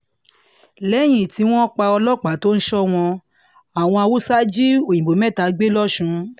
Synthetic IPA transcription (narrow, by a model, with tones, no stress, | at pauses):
lɛ˨˦j̃ĩ˦˨ti˨˧˦w̃ɔ̃˦k͡pa˧ɔ˧lɔ˦˨k͡pa˨˦to˦n̩˦ʃɔ˦w̃ɔ̃˧ | a˨w̃ɔ̃˧a˧wo˦sa˦d͡ʒi˦o˨ĩ˨ɡ͡bo˨˦mɛ̃˦˨ta˨˦ɡ͡be˦lɔ˦˨ʃũ˧